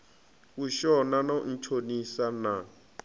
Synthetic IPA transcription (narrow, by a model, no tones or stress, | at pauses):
kuʃɔnanan̩t͡ʃʰonisana